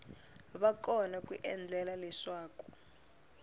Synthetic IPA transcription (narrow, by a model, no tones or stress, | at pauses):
βakʼɔnakwḭʔɛnd͡ɮʱɛlalɛʂwaːku̥